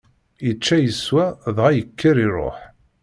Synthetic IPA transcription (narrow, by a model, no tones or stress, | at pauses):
jət͡ʃːæjəswæðʁæjəkʰːəɾiɾˤo̰ħ